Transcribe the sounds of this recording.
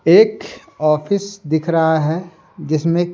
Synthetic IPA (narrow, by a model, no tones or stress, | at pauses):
eːk | ɔːpʰɪsd̪ɪkʰɾɐɦaɦɛ | d͡ʒɪsmẽ